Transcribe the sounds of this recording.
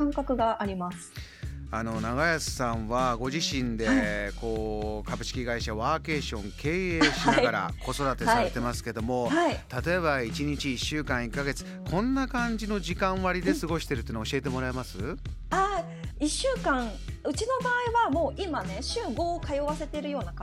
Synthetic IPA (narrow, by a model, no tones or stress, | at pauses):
ãŋkakɯ̟ɡaʔaɾʲimasɨ̥ano̞naɡajasɨ̥sãɰ̃βaɡo̞ʑiɕĩnd̪e̞ko̞ːkabɯ̟ɕi̥kʲiɡaiɕaβaːke̞ːɕõ̞ŋkʰe̞ːeɕinaaɡaɾa̰ko̞so̞d̪at̪e̞saɾet̪ːe̞masɨ̥ke̞d̪o̞mo̞hait̪at̪o̞e̞βait͡ɕiɲ̟it͡ɕiːɕːɨːkãɰ̃ikːaɡe̞t͡sɨ̥kʰõ̞nːakãɲ̟d͡ʑino̞ʑikãɰ̃βaɾʲid̪e̞sɨɡo̞ɕi̥t̪eɾɯ̟t̪oinaoɕie̞t̪e̞mo̞ɾaemasɨa | iɕːɨːkãŋ̃ɯ̟t͡ɕino̞baːiβamo̞ːʔimane̞ɕɨːɡo̞ːkajoβase̞t̪e̞ɾɯ̟jo̞ːna